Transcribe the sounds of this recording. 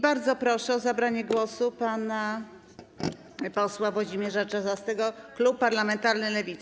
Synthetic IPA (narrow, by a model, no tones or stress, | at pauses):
baɾd̪zɔpɾɔʂɛɔzabɾaɲɛɡwɔsupana | pɔswavwɔʑimjɛʐat͡ʂazast̪ɛɡɔklupːaɾlamɛnt̪aɾnɘlɛvʲit̪s